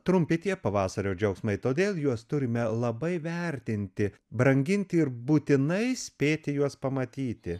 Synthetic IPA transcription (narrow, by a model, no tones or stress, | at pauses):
t̪ɾʊmʲpʲɪt̪ʲiɛpɐʋɑːsɐɾʲoːd͡ʒʲɐʊksmɐɪt̪oːd̪ʲeːlˠjuɔst̪ʊɾʲɪmʲɛlˠɐbɐɪʋʲɛɾʲt̪ʲɪnʲt̪ʲɪ | bɾɐŋʲɡʲɪnʲt̪ʲɪɪɾbuːt̪ʲɪnɐɪsʲpʲeːt̪ʲɪjuɔspɐmɐt̪ʲiːt̪ʲɪ